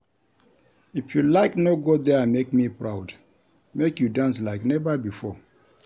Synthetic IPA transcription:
ifjulaɪknoɡodɛãmekmipɹaʊd | mekjudãnslaɪknɛvabifɔ

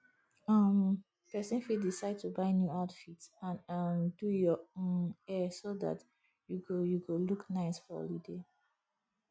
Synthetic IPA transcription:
ʌm | pɛsĩnfidisaɪd̚tʰubaɪnjuaʊtfitãnʌmdujɔõnɛsoða̰t | juɡojuɡoluknaɪsfɔ̰lide

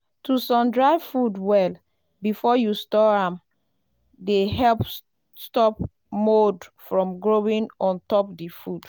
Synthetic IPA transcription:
tusɔ̃mdɹaɪvfudwɛl | bifɔjustɔɹãm | deɦɛlp | stɔp̚ | modfɹɔ̃mɡɹowĩnɔ̃ntɔpdifud̥

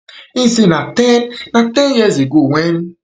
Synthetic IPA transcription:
isinatɛnnatẽnjeziɡuwʷen

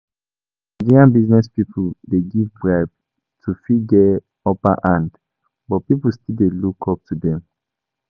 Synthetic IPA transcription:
mad͡ʒiɹiãnbiznɛspipʰuldeɡivbɹaɪb | tʰufiɡɛ | ɔpaʔãnd | bɔt̚pipul̩stildelukʰɔp̚tudɛ̃m

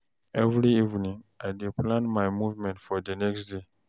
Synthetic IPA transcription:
ʔɛvɾiivnĩŋʔajdeplãnmajmuvmɛ̃ntfɔdənɛkstde

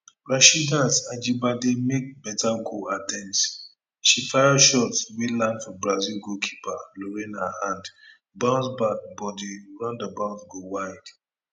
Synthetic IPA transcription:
bɹaʃidãnsad͡ʒibademek̚bɛtʰaɡoatɛ̃nts | ʃifajaʃɔtswilãndfɔbɹazilɡokʰi̥paloɾĩnhahãnd | bãʊ̃nsbak̚bɔdiɹãʊ̃ndəbãʊ̃nsɡowaɪd̥

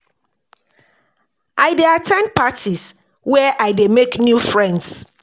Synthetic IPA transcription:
ʔaɪdeatʰɛ̃n̚pʰatʰis | wɛʔaɪdemeknjufɹɛ̃nds

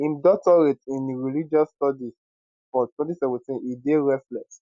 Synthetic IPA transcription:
ĩmdɔtɔɹetĩnɹilid͡ʒɔsːtɔdis | fɔtwɛ̃ntisɛvɛ̃tĩnideɹɛflɛks

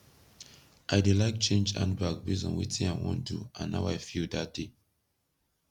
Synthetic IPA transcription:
ʔaɪdelaɪk̚t͡ʃẽnd͡ʒã̰nbak̚bizɔ̰̃nwḭtĩnaɪwɔ̰̃ndṵã̰nːa̰ʊaɪfildat̚d̥e

